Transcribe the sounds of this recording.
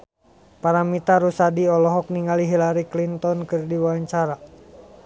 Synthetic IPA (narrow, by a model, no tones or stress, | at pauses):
paɾamit̪aɾusadiɔlɔɦɔk̚niŋaliɦilaɾiklint̪ɔnkɨrdiwaɲt͡ʃaɾa